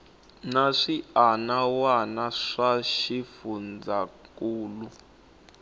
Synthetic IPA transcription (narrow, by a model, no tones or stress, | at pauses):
naʂianawanaʂaʃifund͡zakuːlu